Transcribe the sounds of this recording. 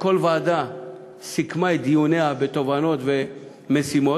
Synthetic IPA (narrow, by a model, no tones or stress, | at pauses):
kolvaːd̪a | sikmajd̪ijuneabet̪ovanot̪ve | mesimo